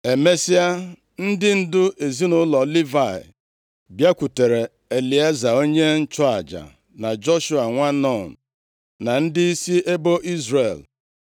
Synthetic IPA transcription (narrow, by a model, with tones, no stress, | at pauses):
e˨me˦si˦a˦ | n̩˦dɪ˦n̩˦dʊ˦ʔe˨zi˦nʊ˦lɔ˨li˦va˨ɪ̰˨ | bja˦kʷu˨te˨ɾe˨ | e˨li˨a˦za˨o˦ɲe˦n̩˦t͡ʃɔ˦a˨d͡ʒa̰˨ | na˨d͡ʒɔ˦ʃu˦a˨ŋʷa˦nɔ˦˨n̩˨ | na˨n̩˦dɪ˦i˦si˦e˦bo˦ʔi˦zɾe˨l